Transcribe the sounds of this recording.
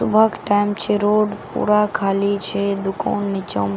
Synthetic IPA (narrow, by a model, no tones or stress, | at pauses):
ʊ̰bʱəkʈajmt͡ʃeɾoɖpṵɾakʰalit͡ʃʰed̪ʊko̰nːɪt͡ʃəm